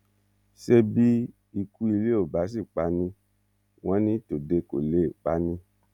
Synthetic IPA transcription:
ʃe˧bi˦ | i˧ku˧˦i˧le˦o˦˨ba˨˦s̬i˦˨k͡pa˧˦nĩ˧ | w̃ɔ̃˦nĩ˦to˨de˧ko̰˨le˨˦˨k͡pa˧˦nĩ˧

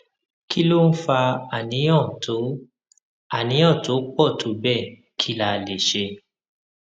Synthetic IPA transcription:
ki˦lo˦n̩˦fa˧a˨nĩ˨˦ɔ̃˦˨tʰo˨˦ | a˦˨nĩ˨˦ɔ̃˦˨to˨˦k͡pɔ˦˨tʰo˨˦bɛ˦˨ | kʰi˦la˧˨le˨ʃe˧

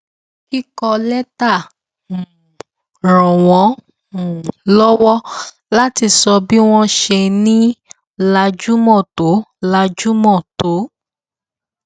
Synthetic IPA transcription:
ki˦kɔ˧lɛ˦tã˦˨ | ɾɔ̃˨w̃ɔ̃˨˦ | mũ˨lɔ˦wɔ˦ | la˦ti˧sɔ˧bi˦w̃ɔ̃˦ʃe˧nĩ˦ | la˧d͡ʒu˦mɔ̃˦˨to˨˦la˧d͡ʒu˦mɔ̃˦˨to˨˦

